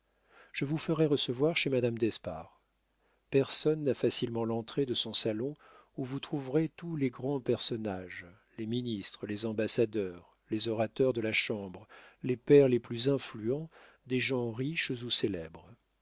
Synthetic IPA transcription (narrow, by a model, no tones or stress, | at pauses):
ʒ̥əvufəʁɛʁəsəvwaʁʃemad̪amd̪ɛspa̰ʁ | pɛʁsɔnːafasilmɑ̃lɑ̃t̪χed̪əsɔ̃salɔ̃ | uvut̪χuvʁet̪uleɡʁɑ̃pɛʁsɔnaʒ | leminist̪χəlezɑ̃basad̪œʁ | lezɔʁat̪œʁd̪əlaʃɑ̃bʁlepɛʁleplyzɛ̃flyɑ̃ | d̪eʒɑ̃ʁiʃzuselɛbʁ